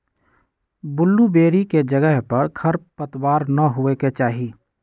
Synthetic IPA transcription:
bʊlːubeːɾiked͡ʒəɡəɦpəɾkʰəɾppət̪waːɾnəɦueket͡ʃaːɦi

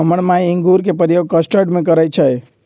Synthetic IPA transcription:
əməɽmajiŋɡuɾkepɾəjoɡ̚kəsʈəɖmekəɾɛjt͡ʃʰəj

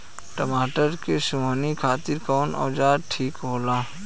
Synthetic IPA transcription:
ʈɐmaːʈəɾkesʊmənikʰaːt̪ɪɾkɔːnɔ̰ːd͡ʒaːd̪ʈʰiːkɦoːlaː

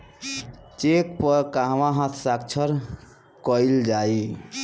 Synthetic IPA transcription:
t͡ʃek̚pʌɾkãɦʋãɦãt̪ʰsak̚t͡ʃʰəɾ | kɔjld͡ʒai

